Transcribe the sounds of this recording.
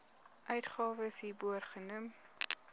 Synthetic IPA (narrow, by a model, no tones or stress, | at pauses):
ʔœɥtχɑːvəsɦiːbuərχənum